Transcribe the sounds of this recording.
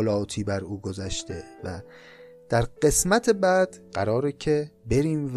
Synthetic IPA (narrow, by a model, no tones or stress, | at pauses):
lɒːt̪ʰiːbæɾuːɡozæʃt̪ʰe̞̰væ | d̪̥æɾɢe̞smæt̪ʰebæd̪̥ɢæɾɒːɾecʰe̞be̞ɾiːmv